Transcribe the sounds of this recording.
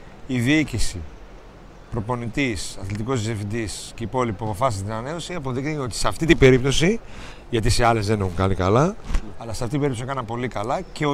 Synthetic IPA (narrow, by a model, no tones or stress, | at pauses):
iðiicisi | pɾo̞po̞nit̪isɐθlit̪iko̞zzefd̪isceipo̞lipuɐpo̞fɐsist̪inɐne̞osiɐpo̞ðixniceo̞t̪i̥seɐft̪it̪ibe̞ɾipt̪o̞si | ʝɐt̪isiɐle̞zðenexuŋkɐnikɐlɐːlɐseɐft̪it̪ibeɾipt̪osikɐnɐmpo̞likɐlɐceo